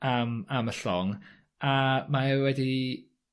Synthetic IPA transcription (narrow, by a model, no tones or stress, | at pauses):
amaməɬɔŋ | amaɛwwɛdi